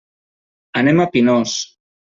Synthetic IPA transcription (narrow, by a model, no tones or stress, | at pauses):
anemapinos